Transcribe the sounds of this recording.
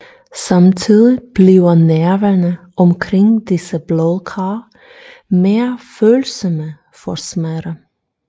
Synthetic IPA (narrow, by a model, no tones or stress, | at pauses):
sɑmt̪ʰiːðɪb̥liːɐnæɐʋænəʔɔmkʰɾɪŋd̪̥ɪsəblɔðˠkʰɑː | meːɐføːlsɔmə | fɔsmæɾə